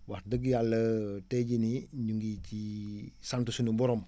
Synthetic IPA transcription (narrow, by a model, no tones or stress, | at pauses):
waɾdəɡ̬jalːəteɟiniɲuŋɡicisantusunubɔɾom